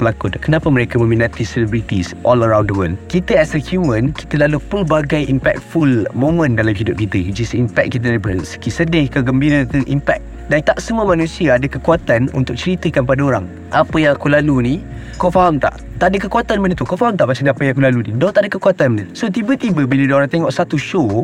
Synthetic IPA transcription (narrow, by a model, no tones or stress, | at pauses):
bəlakudkənapəməɾekamə̃mĩnãt̪isələbɾit̪isʔɔləɾãwndəwəld̚kit̪əɛsɛkʰumə̃nki̥t̪əlalupəlbaɡajʔimpɛ̰k̚t̪̚fulmõmə̃ndalamɦidʊp̚kit̪əd͡ʒəsimpɛk̚t̚kit̪̬ənbəsə̥kisədakaɡəmbiɾət̪uʔimpɛk̚ | dant̪aʔsəmuəmãnũsiaːdəkəkuat̪anṵnt̪ʊk̚t͡ʃəɾit̪əkanpadaoɾaŋ | ʔapəjãŋakulalunĩ | kɔfaɦamt̪a̰ʔ | t̪aʔadəkəkuat̪anmənət̪ukɔfaɦamt̪aʔmat͡ʃaŋdapajakulaluninɔ̃t̪aʔdəkəkuat̪anmənətsot̪ibət̪ibəbilədoɾaŋt̪eŋɔʔsat̪uʃo